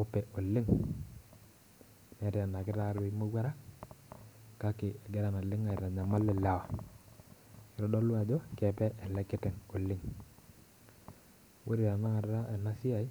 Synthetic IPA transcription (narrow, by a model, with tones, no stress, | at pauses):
o˦pɛ˨ʔo˨lɪ˦ŋ | nɛ˨ɾi˨a˨na˨kɪ˦ɾa˦ɾi˨˦mo˦ɡa˦ɾa˦ | ka˦kɪ˨ɛ˨ɡɛ˦ɾa˨na˨lɪ˦ŋa˨ɾa˨ɲa˨ma˦lɛ˦˨la˦˨wa˨ | kɪ˨ɾɔ˦dɔ˦lu˦a˨d͡ʒo˦kɛ˨pɛ˦ʔɛ˨lɛ˦kɪ˦tɛ˨ŋo˨lɪ˦ŋ | wo˦ɾi˨ɾa˨na˦˨ɾɾa˦ʔe˨na˦si˦a˨i˦